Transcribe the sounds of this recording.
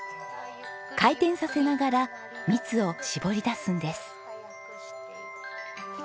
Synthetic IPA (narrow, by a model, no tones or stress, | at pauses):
kait̪ẽ̞ɰ̃sase̞naɡaɾa | mʲit͡sɨo̞ɕibo̞ɾʲid̪asɨ̃nd̪e̞sɨ̥